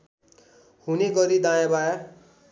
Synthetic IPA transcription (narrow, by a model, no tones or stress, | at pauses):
huneɡʌɾid̪ajabaja